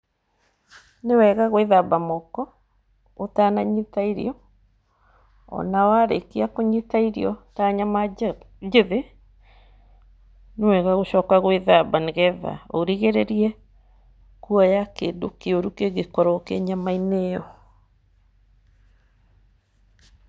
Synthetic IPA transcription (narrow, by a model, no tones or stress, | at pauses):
newɛɣaɣweðabamɔkɔ | otanaɲitaiɾḭɔ | ɔ̰nawaɾḛkiakoɲitaiɾḭɔtaɲama | d͡ʒeðe | newɛɣaɣoɕɔkaɣweðabaneɣɛða̰oɾiɣeɾeɾiɛ | kuɔjakeːndokeoɾukeɣekɔɾɔkeɲamainejɔ